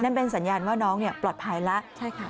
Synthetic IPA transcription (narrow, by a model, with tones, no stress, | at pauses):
na˥˩npe˧nsa˩˦njaː˧nwaː˥˩nɔː˦˥ŋni˥˩əplɔː˨˩t̪̚pʰa˧jla˦˥ʔt͡ɕʰa˥˩jkʰa˥˩